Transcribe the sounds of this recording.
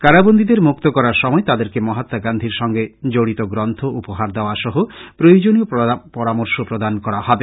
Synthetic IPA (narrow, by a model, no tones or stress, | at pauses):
kaɾabond̪ʱid̪eɾmukt̪okɔɾaɾʃɔmɔet̪ad̪eɾkemɔɦat̪ːaɡand̪ʱiɾʃɔŋɡed͡ʑoɽit̪oɡɾɔnt̪ʰoʔupoɦaɾd̪eoaʃɔɦopɾojod͡ʑoniopɔɾamoɾʃopɾod̪ankɔɾahɔbe